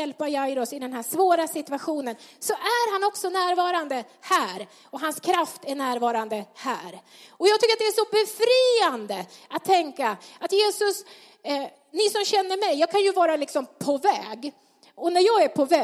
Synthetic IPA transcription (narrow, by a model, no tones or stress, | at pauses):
ɛlpajajɾɔsɪd̪ɛnɦæʂvoːɾasɪt̪ɵaɧuːnənsɔʔæɾɦanɔksɔnæːɾvɑːɾand̪ə | hæːɾ | ɔɦanskʰɾaft̪æɳæːɾvɑːɾand̪əhæːɾ | ɔjɑːɡt̪ʰʏkːɾat̪d̪ɛæʂɔbɛfɾiːand̪əat̪ʰːɛŋkaat̪jeːsɵs | nɪsɔmɕɛnːəɾmɛjːɑːɡ̚kʰanjɵvɑːɾalɪksɔmpʰɔvɛːɡ | ɔnæɾjɑːɡæɾpʰɔvɛː